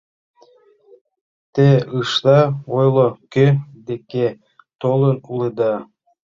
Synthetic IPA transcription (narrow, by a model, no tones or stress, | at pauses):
t̪eɯʃt̪ɑojlˠokød̪ekʲe | t̪olˠɤnulˠɯd̪ɑ